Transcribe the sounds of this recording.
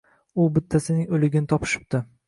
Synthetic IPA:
ʊbɪt̪ʰːasɪnɪŋolɪɡʲɪnɪt̪ʰɒpʰɪ̥ʃɪ̥p̚t̪ɪ

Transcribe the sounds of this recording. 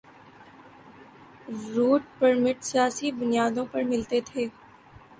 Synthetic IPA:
ɾuːʈ̚pəɾmɪʈsjaːsibʊnijaːd̪õpɐɾmɪlt̪et̪ʰeː

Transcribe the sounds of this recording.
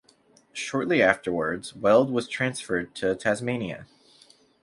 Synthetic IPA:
ʃɔɹʔˡliæftə˞wə˞dz̥wɛlˠd̚wʌz̥tʰɹ̥æ̃nsfə˞d̚tʰɨtʰæzmẽɪ̃niɨ̰

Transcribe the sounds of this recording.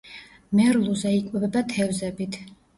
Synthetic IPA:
mɛɾlˠuzɛikʼwɛbɛbat̪ʰɛvzɛbit̪ʰ

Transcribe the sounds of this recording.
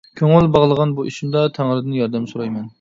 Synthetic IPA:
kʲʰøŋɪlbɑʁlˠəʁɑnbuʔiʃimd̪ɑt̪ʰæŋɾɨd̪ɪnjɑɾd̪ɛmsoɾɑjmɛn

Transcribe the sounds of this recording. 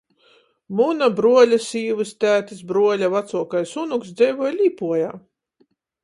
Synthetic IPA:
munabɾuɔlʲasiːvɨst̪ʲæːt̪isbɾuɔlʲavat̪suɔkajsunuksd̪zʲɛjvujlʲiːpuɔjaː

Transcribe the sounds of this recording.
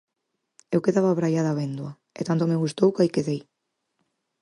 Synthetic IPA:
ewkeðaβaβɾajaðaβend̪wɐ | ḛt̪ant̪̬omeɣ̞ust̪owkajkeðej

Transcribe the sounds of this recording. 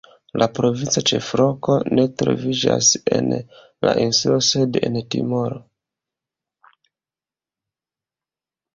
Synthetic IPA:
lapɾo̞vint͡sat͡ʃe̞fɾoko̞ne̞tɾo̰vid͡ʒase̞n | la̰ʔinsulose̞de̞ntḭmoɾo

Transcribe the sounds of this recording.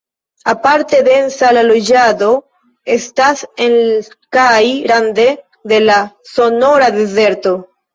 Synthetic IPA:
apaɾte̞d̪e̞nsalalo̞d͡ʒad̪o̞ | e̞stasen | kajɾand̪e̞ | d̪e̞laso̞no̞ɾad̪e̞ze̞ɾto̞

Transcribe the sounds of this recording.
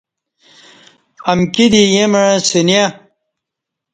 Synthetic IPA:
ɐmkid̪ijemaɻ̃sinja

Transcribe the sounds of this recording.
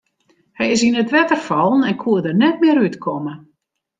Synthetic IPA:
hɛjɪsinətʋɛtərfɔlˠnɛnkʰuədərnɛt̚mɪəɾytkʰɔmə

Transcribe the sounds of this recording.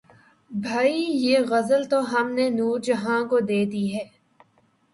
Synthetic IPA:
bʱaːijeːɣɐzəlt̪oɦɐmnenuːɾd͡ʒɐɦãkod̪eːd̪iɦɛː

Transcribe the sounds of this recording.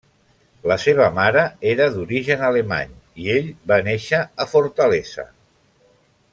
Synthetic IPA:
ləseβ̞əmaɾəeɾəðuɾiʒənəlema̰ɲieʎbaneʃəːfuɾt̪əlezə̰

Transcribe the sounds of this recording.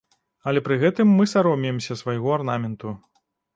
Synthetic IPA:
ɐlʲɛpɾɨɣɛt̪ɨmːɨsaɾɔmʲijɛmsʲɐsvajɣɔarnamʲɛnt̪u

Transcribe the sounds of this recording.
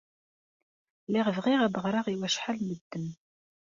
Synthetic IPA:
lɪʁəvʁiʁæbəʁɾˤɑʁiwæʃħalməd̪ːən

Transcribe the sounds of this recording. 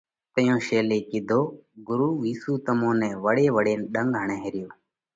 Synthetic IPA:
t̪əjõːʃeːleːkɪd̪ʱoːɡʊɾuːʋiːsuːt̪əmõːnɛ̃ːʋəɽeːʋəɽeːnɗəŋɡɦəɳẽːɦeːɾɪjoː

